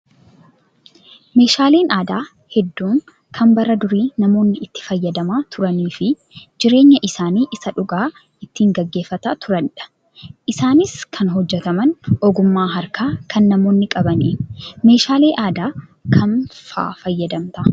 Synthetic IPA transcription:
me̞ːʃaːle̞ːnaːd̪aː | hɛd̪ːuːŋ | kʰɐmbɐɾɐd̪ʊɾiːnɐmo̞ːnːɪɪt̪ːɪ̥fɐjːɐd̪ɐmaːt̪ʰʊɾɐniːfɪ | d͡ʒɪɾe̞ːɲːɐʔɪsaːniːʔɪsɐᶑʊɡaː | ɪt̪ːiːŋɡɐɡːe̞ːfːɐt̪ɐt̪ʊɾɐnᶑɐ̥ | ʔɪsaːnɪskʰɐnɦɔd͡ʒːɛt̪ɐmɐnʔɔɡʊmːaːɦɐɾkaːkʰɐnːɐmo̞ːnːɪkʼɐbɐniːme̞ːʃaːle̞ːʔaːd̪aːkʰɐnfa̰ːfɐjːɐd̪ɐmt̪ɐ

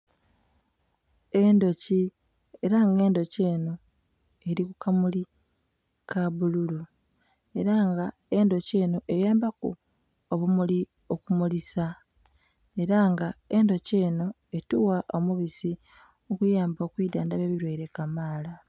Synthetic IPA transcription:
e̞ndo̞ci | e̞ɾaŋɡe̞ːndo̞ce̞ːno̞ | e̞ɾikukʰamuli | kaβululu | e̞ɾaŋɡa | e̞ndo̞ce̞ːnoʔe̞jaːmbakṵ | oβumuli | okumulisa | e̞ɾaŋɡae̞ndo̞ce̞ːno | e̞tuwaʔo̞muβisi | okujaːmbo̞kwiːdaːndaβeβiɾweiɾe̞kamaːla

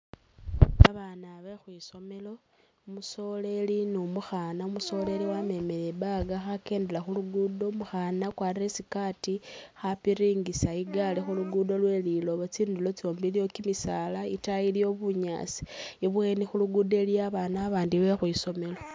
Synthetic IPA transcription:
aβanaβexwiːso̞me̞lo̞ | muso̞le̞linumuxanaumuso̞le̞liwame̞me̞lebaɡaxake̞ːndelaxuluɡudo̞muxanakwaːriresikatixapiɾiːŋɡisaiɡalexuluɡudo̞lwe̞lilo̞βot͡siːndulo̞t͡sio̞ːmbilijo̞kimisalaitajilijoβuɲa̰ːsi̥iβwe̞nixuluɡude̞liaβaːnaβaːndiβe̞xwiːso̞me̞lo

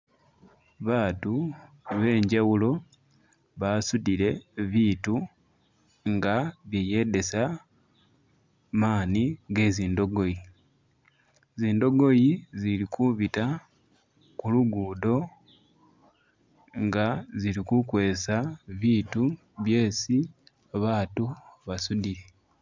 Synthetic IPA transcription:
βaːtu | βe̞ːɲɟawulo̞ | βasudile̞βiːtu | ŋɡaβjeje̞ːde̞sa | maːniɡe̞ːziːndo̞ɡo̞ji | ziːndo̞ɡo̞jizilikuβita | kuluɡuːdo̞ | ŋɡazilikukwe̞ːsaβiːtu | βje̞ːsi | aβaːtuβasudile̞

